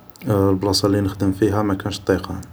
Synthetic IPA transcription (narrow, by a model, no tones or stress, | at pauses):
lblɑsˤɑlːinəxd̪əmfiɦæmækænʃt̪ˤːiqɑ